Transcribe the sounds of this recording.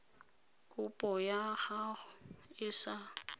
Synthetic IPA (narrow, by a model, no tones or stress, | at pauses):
kʼʊpʼɔjahaʊɪsa